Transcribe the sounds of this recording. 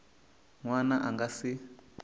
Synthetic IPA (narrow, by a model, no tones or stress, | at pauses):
ŋwanaʔaŋɡasi